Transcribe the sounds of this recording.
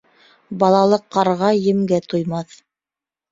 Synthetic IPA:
bɑlˠɑlˠɤqːɑɾʁɑjɘ̆mɡæt̪ujmɑθ

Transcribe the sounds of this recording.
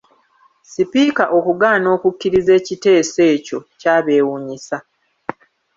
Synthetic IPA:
sipiːkaʔo̞kuɡaːno̞ːkukːiɾize̞ːcite̞ːse̞ːco̞caːβe̞ːwuɲisa

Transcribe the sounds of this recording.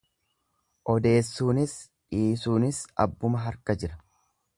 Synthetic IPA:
ʔɔd̪e̞ːsːuːnɪs | ᶑiːsuːnɪsɐ̰bːʊmɐɦɐɾkɐd͡ʒɪɾɐ

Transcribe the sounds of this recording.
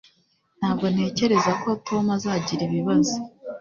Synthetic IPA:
n̥haːbɡo̞n̥e̞ːce̞ɾe̞zako̞tʰo̞mazaːɟiɾiβiβazo

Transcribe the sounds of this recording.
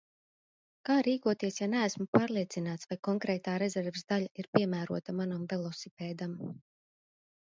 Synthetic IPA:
kaːɾiːkuɔt̪iɛsjanæːsmupaːɾlˠiɛt̪sinaːt̪svajkɔŋkɾɛːt̪aːɾezɛɾvsd̪aʎaiɾpiɛmæːɾuɔt̪amanamvɛlˠɔsipʲɛːd̪am

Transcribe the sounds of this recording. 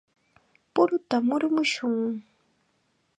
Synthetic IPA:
pʊɾʊt̪amʊɾmʊʃʊŋ

